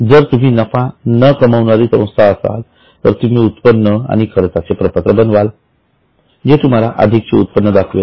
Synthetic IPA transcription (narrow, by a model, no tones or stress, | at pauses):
d͡zəɾt̪um̤iːnəfanəkəməʋɳaɾiːsə̃w̃st̪ʰaəsa̰l | t̪əɾt̪um̤iːut̪pənːəa̰ɽ̃ikʰəɾt̪at͡sepɾəpət̪ɾəbənʋal | d͡ʑet̪um̤alaʔə̰d̪ʱik̚t͡seut̪̚pənːəd̪akʰʋe